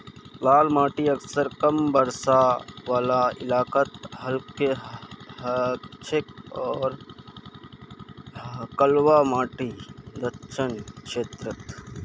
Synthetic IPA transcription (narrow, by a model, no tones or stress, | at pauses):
laːlmaːʈiɐksəɾkɐmbəɾsaʋaːlaɪlaːkət̪ɦəlke | t͡ʃʰɪkɔːɾ | kəlwamaːʈid̪əʃʰənkʃeːt̪ɾət̪